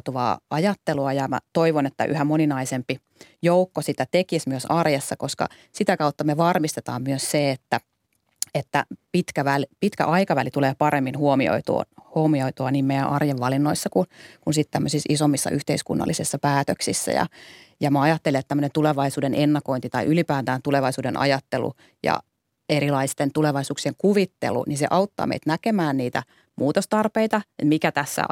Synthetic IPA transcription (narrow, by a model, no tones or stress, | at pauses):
t̪uʋɑ̰ːʔɑjɑt̪ːeluɑjɑmæ̰t̪oiʋonet̪ːæ̰ʔy̰hæmoninɑisempi | joukːosit̪æt̪ekismyøsɑrjɑsːɑkoskɑ̰ | sit̪ækɑut̪ːɑmeʋɑrmist̪et̪ɑːmmyøsseet̪ːæ | et̪ːæ̰pit̪kæʋælpit̪kæ̰ʔɑikɑʋælit̪uleːpɑremːinhuomio̰it̪ṵːhomioit̪uɑniːmejæ̰ʔɑrjeʋʋɑlinːoisːɑkunkunsit̪t̪æmːøsisisomːisːɑ̰ʔyht̪eiskṵnːɑ̰lːisisːɑpæːt̪øksisːæ̰jɑ̰jɑmæɑjɑt̪ːeliet̪t̪æmːønent̪uleʋɑisuːdenʔenːɑkoint̪it̪ɑiʔylipæːt̪æːnt̪uleʋɑisuːdenʔɑ̰jɑt̪ːelṵ | jɑ̰ | eɾilɑist̪ent̪uleʋɑisuːksieŋkuʋit̪ːḛlṵninseʔɑut̪ːɑ̰ːmḛit̪nækemæːnniːt̪æ̰ | muːt̪ost̪ɑrpeit̪ɑet̪mikæt̪æsːæ̰